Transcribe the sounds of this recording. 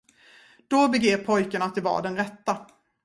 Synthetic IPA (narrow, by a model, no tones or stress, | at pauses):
d̪̥ɔbɛɡeːvpʰɔjkaɳat̪ːɪvɑ̰ːɖɛnɾɛt̪ːa